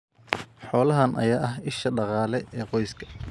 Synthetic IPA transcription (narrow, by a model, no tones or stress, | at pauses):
ħɔːlɐɦɐnʔɐ̰jaːʔɐɦɪʃɐɖɑqɑːlɛɛːqɔjskʰɐ̥